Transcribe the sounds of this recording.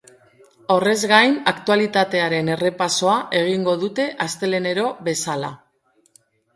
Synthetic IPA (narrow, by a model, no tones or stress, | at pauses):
o̞re̞zɣajnakt̪ualit̪at̪e̞aɾe̞ne̞re̞paso̞aʔe̞ɣiŋɡo̞ðut̪e̞ʔast̪e̞le̞ne̞ɾo̞βe̞sala